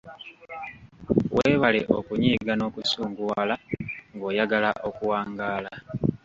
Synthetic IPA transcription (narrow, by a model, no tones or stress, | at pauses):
weːβaleʔokuɲiːɡano̞ːkusuːŋɡuwaːlaŋɡo̞ːjaɡalaʔo̞kuwaːŋɡaːla